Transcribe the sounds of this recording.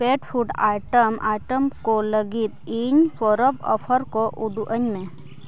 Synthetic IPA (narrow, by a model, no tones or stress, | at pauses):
peːʈpʰuːɖaːʈəmaːʈəmkoləɡit̪iɲfoːɾəbɔ̰ːpʰəɾkoʔuɖuʔəɲmẽ